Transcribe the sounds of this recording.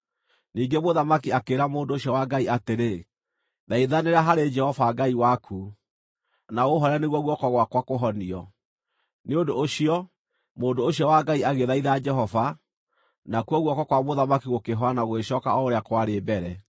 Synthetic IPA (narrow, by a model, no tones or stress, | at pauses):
niːŋɡemoðamakiakeːɾamoːndoːɕiɔwaɡaiateɾe | ðaiðaneɾaɦaɾed͡ʒɛhɔvaɡaiwakʰu | naɣoɦɔɾaneɣwɔɣwɔkɔɣwakwakoɦɔniɔ | neondoʔːɕiɔ | moːndoːɕjɔwaɡaiaɣeðaiðad͡ʒɛɦɔva | nakuɔɣwɔkɔkwamoðamakiɣokeɦɔanaɣweɕɔːkaɔoɾeakwaɾebɛɾɛ